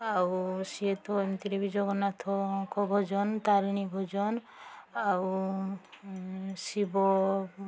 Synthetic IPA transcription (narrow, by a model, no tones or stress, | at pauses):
awsiet̪ɔmt̪iɾebid͡ʒɔɡɔnat̪ʰɔkɔbʱɔd͡ʒɔnt̪alnibʱɔd͡ʒɔn | aw | sibɔ